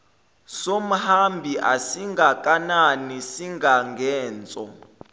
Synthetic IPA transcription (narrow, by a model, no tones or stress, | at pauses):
som̩hambʱiʔasiŋɡʱakʼananisiŋʱaŋɡʱɛːnt͡sʼɔ̰